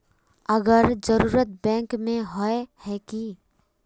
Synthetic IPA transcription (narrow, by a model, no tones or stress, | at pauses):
əɡəɾd͡ʒəɾuːɾət̪̚bɛ̃ːŋkmẽɦoehɛki